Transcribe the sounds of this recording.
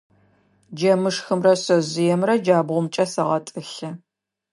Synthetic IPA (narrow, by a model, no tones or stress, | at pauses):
d͡ʒɐmɨʂxɨmrɐsɐzɪjɛmrɐd͡ʒaːbʁʷʊmt͡ʃʼɐsɐʁɐtʼɨɬɐ